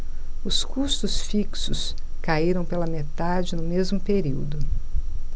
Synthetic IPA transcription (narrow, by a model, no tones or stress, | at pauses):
ʊskust̪ʊsfiksʊs | kaiɾɐ̃w̃pelɐmet̪ad͡ʒɪnʊmezmʊpeɾiwd̪ʊ